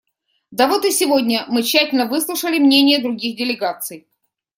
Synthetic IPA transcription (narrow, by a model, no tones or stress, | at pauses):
d̪ɐvo̞t̪ɨsʲɪvo̞dʲnʲəmɨɕːætʲɪlʲnəvɨslˠʊʂəlʲɪmnʲenʲɪjəd̪ɾʊɡʲixdʲɪlʲɪɡat̪sɨj